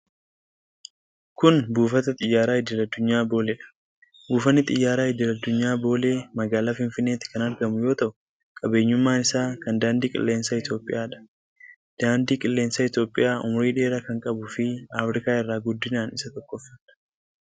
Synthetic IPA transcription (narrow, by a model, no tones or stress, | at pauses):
kʊnbuːfɐt̪ɐt̪ʼɪjːaːɾaːhɪd̪ɪlɐd̪ːʊɲːaːbo̞ːlɛᶑɐ̥ | buːfɐnːɪt̪ʼɪjːaːɾaːɪd̪ɪlɐd̪ːʊɲːaːbo̞ːle̞ːmɐɡaːlaːfɪnfɪnːe̞ːt̪ɪ̥kɐnɐɾɡɐmʊjo̞ːt̪ɐʔʊ | kʼɐbe̞ːɲːʊmːaːnɪsaːkɐnd̪aːnd̪iːkʼɪ̰lːe̞ːnsɐɪt̪jo̞ːpʼɪjaːᶑɐ̥ | d̪̥aːnd̪iːkʼɪlːe̞ːnsɐɪt̪jo̞ːpʼɪjaːʔʊ̰mʊɾiːᶑe̞ːɾɐkɐŋkʼɐbʊfɪaːfɾɪkaːɪrːaːɡʊd̪ːɪnaːnɪsɐt̪ɔkːɔfːɐtɐ̥